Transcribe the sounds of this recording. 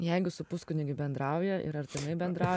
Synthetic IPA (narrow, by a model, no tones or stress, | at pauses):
jɛɪɡʊsʊpʊskʊnʲɪɡʲɪbʲɛnd̪ɾɑʊjɛʔɪ̰ɾɐɾʲt̪ʲɪnɐɪbʲɛnd̪ɾɑʊ